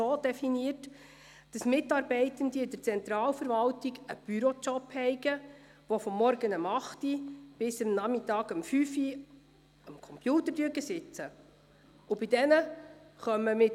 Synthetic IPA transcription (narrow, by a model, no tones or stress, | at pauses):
oːd̥ɛfiniərt | d̥ɑsmɪtɑːɾbɛɪtəndiɪd̥əɾt͡sɛnt̪ɾɑːlfəɾʋɑltɪɡəb̥yɾɔt͡ʃɔphɛɪɡə | ʋɔfɔmːɔɾɡənəmɑχtib̥ɪsəmnɑmɪtɑːɡəmfyfi | əmkʰɔmpjuːtəɾdyəɡəsɪt͡sə | ʊbɪdɛnəχœmːəmɪ